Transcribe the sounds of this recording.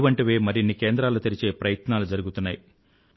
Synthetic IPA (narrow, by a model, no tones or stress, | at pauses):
ʋɐɳʈiʋeːmɐɾinːikeːnd̪ɾaːlut̪iɾit͡ʃe̞ːpɾɐjɐt̪naːlud͡ʒɐɾuɡut̪unːaːji